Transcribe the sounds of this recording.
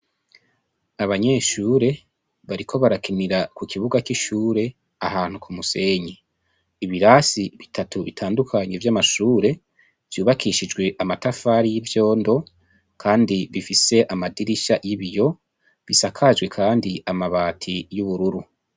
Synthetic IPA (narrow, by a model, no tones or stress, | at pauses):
aβaɲe̞ːʃuːɾe̞ | βaɾikʰo̞βaɾakʰiniɾakukiβuɡakiʃuːɾe̞ | ahaːn̥hukumuse̞ːɲiː | βiɾasiβitʰatuβitʰaːndukʰaɲe̞vjamaʃuːɾe̞ | v̥juːβakʰiʃid͡ʒɡwe̞ʔamatafaːɾijivjo̞ːndo̞ | kʰaːndiβifise̞ʔamadiɾiʃajiβijo̞ | βisakʰad͡ʒwe̞kʰaːndiamaβaːtʰijuβuɾuɾu